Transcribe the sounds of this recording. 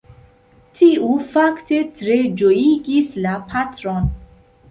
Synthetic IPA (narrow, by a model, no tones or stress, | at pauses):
tʰiufakte̞tɾe̞d͡ʒojiɡislapʰatɾon